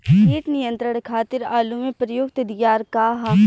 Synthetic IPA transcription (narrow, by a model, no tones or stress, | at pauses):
iːʈnijə̃nt̪ɾəɽkʰaːt̪ɪɾaːlumẽpɾjʊkt̪d̪ijaːɾkaːɦa